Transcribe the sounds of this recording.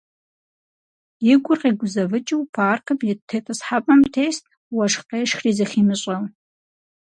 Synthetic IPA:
jɪɡʷʊrqʼiːɡʷʊzɐvɨt͡ʃʼɨwpʰaːrkʰɨpjɪtʰetʼɨsħapʼɐmtʰeːstʼ | wɐʂqeːʂxriːzɐχiːmɨɕʷʼɐw

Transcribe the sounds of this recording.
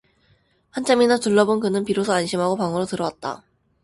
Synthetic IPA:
hant͡ɕʰaminatuɭːʌbonkɯnɯnpiɾosʰʌanɕʰimɦaɡopaŋɯɾotɯɾʌwat̚t͈a̰

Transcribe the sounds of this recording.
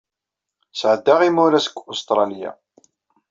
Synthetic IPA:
sʕəd̪ːaʁimʊɾasə̥kʷːost̪ɾˤɑlja̰

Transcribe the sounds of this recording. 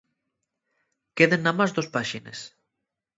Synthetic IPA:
keðenːamazd̪ospaʃinḛs

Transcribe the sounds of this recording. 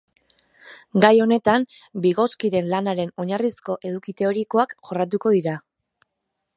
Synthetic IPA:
ɡajo̞ne̞t̪am | biɣo̞skiɾe̞nlanaɾe̞no̞ɲarisko̞ʔe̞ðukit̪e̞o̞ɾiko̞akʝo̞rat̪̬uko̞ðiɾa

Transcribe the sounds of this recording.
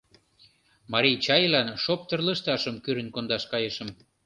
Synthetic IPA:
mɑɾijt͡ɕɑjlɑnʃop̚t̪ərlə̆ʃt̪ɑʃəmkyɾə̆nkond̪ɑʃkɑjeʃə̆m

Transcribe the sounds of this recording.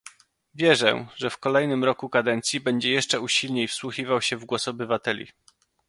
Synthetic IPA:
vʲjɛʐɛ̰ʐɛfkɔlɛjnɘmɾɔkukad̪ɛnt̪sʲjibɛɲd͡ʑɛjɛʂt͡ʂɛuɕilɲejfswuxivawɕɛvɡwɔsɔbɘvat̪ɛlʲḭ

